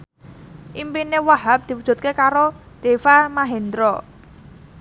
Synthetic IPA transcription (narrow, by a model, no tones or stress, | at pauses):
ʔimpinewaɦap̚d̪̥i̤wud̥ʒ̥ṳt̪̚kekaɾo | d̪̥e̤famaɦend̪ɾɔ